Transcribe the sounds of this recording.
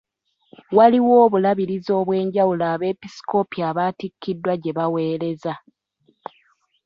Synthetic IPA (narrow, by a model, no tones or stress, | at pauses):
waliwo̞ːβulaβiɾizo̞ːβwe̞ːɲɟawulaːβe̞ːpisi̥ko̞piaːβaːtikʰːidːwaɟe̞βawe̞ːɾe̞za